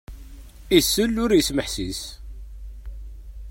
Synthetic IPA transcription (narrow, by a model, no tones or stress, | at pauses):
isːəlːʊɾjəsməħsis